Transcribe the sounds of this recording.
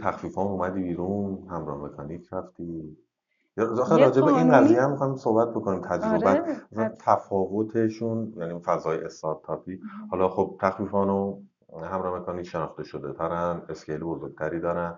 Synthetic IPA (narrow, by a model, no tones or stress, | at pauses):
t̪ʰæxfiːfɒːmumæd̪iːbiːɾunhæmɾɒːhme̞kʰɒniːcʰɾæft̪iː | jɑxeɾɒːd͡ʒebeinɢæzijeæmːixɒːiso̞hbæt̪̚bo̞kʰonimt̪ʰæd͡ʒɾobææsænt̪ʰæfɒːvo̞t̪ʰe̞ʃunjænifæzɒːjeest̪ɒɾt̪ʰːɒːpʰiːhɒːlɒxob̚t̪ʰæxfiːfɒːno | hæmɾɒːhemekʰɒniːcʃe̞nɒːxt̪e̞ʃo̞d̪et̪ʰæɾæne̞scʰejlebozoɾɡ̥̚t̪ʰæɾiːd̪ɒːɾæn